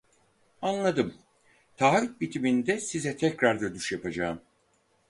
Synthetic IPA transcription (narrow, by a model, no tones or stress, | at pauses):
anlˠad̪ɯm | t̪ʰaːvit̪̚bit̪ʰimind̪ɛsizɛt̪ʰɛcɾaɾd̪ad̪yʃjapad͡ʒaːɯm